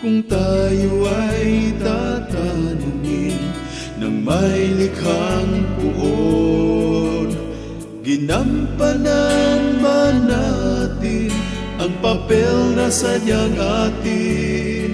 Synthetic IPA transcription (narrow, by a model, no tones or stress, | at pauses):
kʊŋt̪ajoʔajt̪at̪anʊŋɪnː | ɐŋmajlɪkhaŋpʊʔo | n | ɡɪnampananbanat̪ɪn | ʔɐŋpɐpɛlnɐsaɲaŋʔat̪ɪ